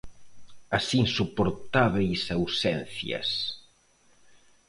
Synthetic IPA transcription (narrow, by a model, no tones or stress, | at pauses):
asiŋsupoɾt̪aβejsawsɛnθjɐ̰s